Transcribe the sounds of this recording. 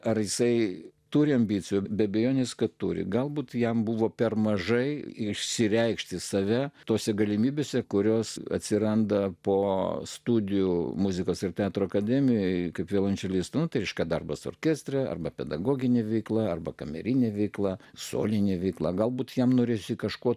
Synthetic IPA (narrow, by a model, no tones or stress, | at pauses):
ɐrjɪsɐɪt̪uɾʲɪɐmʲbʲit͡ssʲɪjubʲɛɐbʲɛjoːnʲeːskɐtt̪uɾʲɪ̰ɡɐlˠbuːt̪jɛmbuʋoːpʲɛrmɐʒɐɪɪʃʲsʲɪɾʲɛɪkʃʲt̪ʲɪsɐʋʲɛt̪oːsʲɛɡɐlʲɪmʲiːbʲeːsʲɛkʊɾʲoːsɐ̰t̪ʲsʲɪɾɐnd̪ɐpoːst̪ud̪ʲɪjumuzʲɪkoːsɪrt̪ʲɛɑːt̪ɾoːɐkɐd̪ʲɛmʲɪjoɪkɐɪpʋʲeːlˠɐnʲt͡ʃʲɛlʲist̪ɐnʊt̪ɐɪɾʲɛɪʃʲkʲɛd̪ɐrbɐso̰ːrʲkʲeːsʲt̪ʲrʲɛɐ̰rbɐpʲɛd̪ɐɡoːɡʲɪnʲeːʋʲɛɪklˠɑɐrbɐkɐmʲɛ̰ɾʲinʲeːʋʲɛɪklˠɑːso̰ːlʲɪnʲeːʋʲɛɪklˠɑ̰ːɡɐlˠbuːt̪jɛmnoːɾʲeːsʲɪkɐʃkoː